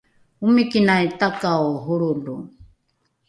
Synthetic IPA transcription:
umikinajt̪akaoɦuɾulu

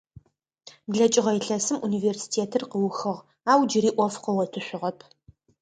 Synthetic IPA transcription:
bɮɐt͡ʃʼɪʁɐjɪɬɐsɨmuniveːrsi̥tʰeːtʰɨrqəwʊxɨʁ | aːwd͡ʒɪɾiːʔʷɔfqəwɐtʰɨɕʷʊʁɐpʰ

